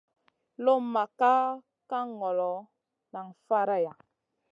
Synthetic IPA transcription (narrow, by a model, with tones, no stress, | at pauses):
lo˦ma˨ka˦ | ka˦ŋɔ˨lɔ˨ | na˨ŋfa˦ɾa˦ja˨